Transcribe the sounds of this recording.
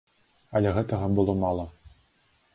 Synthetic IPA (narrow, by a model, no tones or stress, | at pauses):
ɐlʲɛɣɛt̪ɐɣɐbɨlˠɔmalˠɐ